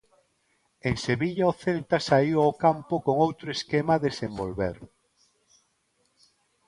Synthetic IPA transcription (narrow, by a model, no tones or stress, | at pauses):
eŋseβiʎaoθelt̪asaiwaokampʊkoŋowt̪ɾoeskemaðesembolβḛɾ